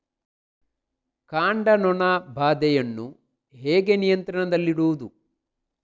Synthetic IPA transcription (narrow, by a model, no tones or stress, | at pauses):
kaːɳɖɐnɔnɐbʱaːd̪ɛjɐnːu | ɦeːɡe̞nijɐnt̪ɾɐɳɐd̪ɐlːiɽuʋud̪u